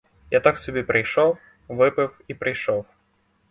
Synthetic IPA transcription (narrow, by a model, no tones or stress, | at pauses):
jat̪aksʲɔbʲɛpɾɐjʂɔw | vɨpɨfipɾɨjʂɔw